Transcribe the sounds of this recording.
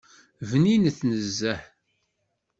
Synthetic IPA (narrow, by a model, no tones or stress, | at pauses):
vninθnəzːæħ